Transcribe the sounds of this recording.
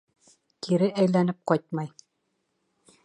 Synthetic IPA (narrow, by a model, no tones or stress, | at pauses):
k̪iɾɘʔæjlænɘp̚qɒjt̪̚mɑj